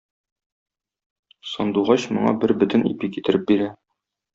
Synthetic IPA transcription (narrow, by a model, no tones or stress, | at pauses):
sɒnd̪uʁɑɕmŏɴɑ̰bɘɾbɵ̆t̪ɘ̆nḭpikit̪ɘ̆ɾɘp̚biɾæ